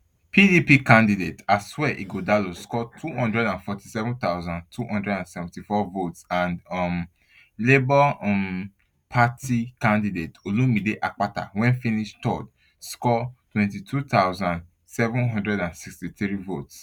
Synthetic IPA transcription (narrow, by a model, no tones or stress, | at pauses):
pʰidipikãndidetaswɛʔiɡodaloskɔtʰuhɔ̃ndɹɛdãnfɔti̥sɛvũnt̪aʊzãndtʰuhɔ̃ndɹɛdãnsɛvɛ̃ntifɔvotsãndɔm | lebɔɔm | pʰatʰikãndidetolũmideʔak͡pata̰wɛ̃nfĩniʃtɔd | skɔtwɛ̃ntitʰut̪aʊzãnd | sɛvũnɦɔ̃ndɹɛdãnsikstiθɾivots